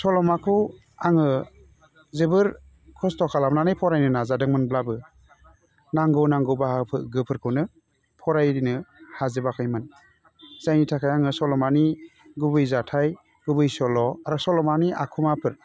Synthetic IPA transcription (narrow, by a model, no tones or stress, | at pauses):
sɔlɔmakʰɯw | aŋɯ | zɯbɯɾ | kʰɔstɔkʰalamnanɯjpʰɔɾajnɯnazadɯŋmɯnblabɯ | naŋɡɯwnaŋɡɯwbahapʰɯɡɯpʰɯɾkʰɯnɯ | pʰɔɾajɾinɯhazɯbakʰɯjmɯn | z̥ajnitʰakʰajaŋɯsɔlɔmaniɡubɯjzatʰaj | ɡubɯjsɔlɔaɾasɔlɔmaniʔakʰumapʰɯɾ